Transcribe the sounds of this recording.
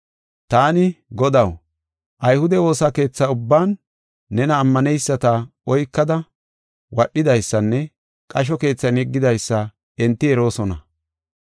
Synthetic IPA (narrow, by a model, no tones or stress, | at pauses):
t̪aːnɪɡɔd̪ɐw | ʔɐjhʊd̪ɛwo̞ːsake̞ːt͡sːɐʊbːaːnː | ɛnɐːmːɐnɛjsːɐt̪ɐɔjkːɐd̪ɐ | wɐɗːɪd̪ɐjsːɐnːɛ | kʼɐʃ̬ɔke̞ːt͡sːɐnɛɡːɪd̪ɐjsːɐ | ɛnt̪ːɪɛɾo̞ːsɔnɐ̰